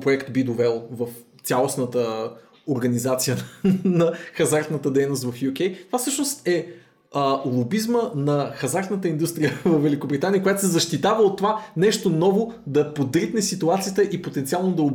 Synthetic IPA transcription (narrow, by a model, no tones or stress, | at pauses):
pɾoɛkt̪bid̪ovɛlˠvəf | t̪ʲalˠosnət̪ə | oɾɡɐnizat̪sijənɐxɐzaɾt̪nət̪əd̪ɛjnost̪vɐfjukʲɛjt̪ovafsɤʃnost̪ɛ | əlˠobizmənɐxɐzaɾt̪nət̪əind̪ust̪ɾijəvɐfvɛlikobɾʲit̪aniəkojat̪osɛzɐʃt̪it̪avəot̪ːovanɛʃt̪onɔvod̪ɐpod̪ɾit̪nɛsit̪uat̪sijət̪əʔipot̪ɛnt̪ialˠnod̪ɐo